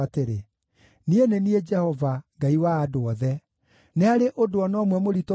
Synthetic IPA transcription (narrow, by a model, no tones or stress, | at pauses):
ateɾe | nienenied͡ʒɛhɔvaŋɡaiwaːdoɔðɛ | neaɾeʔodoɔnɔmwɛmoɾito